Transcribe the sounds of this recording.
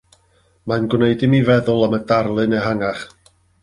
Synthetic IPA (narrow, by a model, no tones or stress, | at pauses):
manɡwneɨdɪmivɛðʊlˠəmədarlˠɨneɦaŋaχ